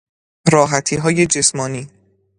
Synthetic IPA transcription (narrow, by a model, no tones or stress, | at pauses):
ɾɒːɦæt̪ʰiːɦɒːje̞d͡ʒe̞smɒːniː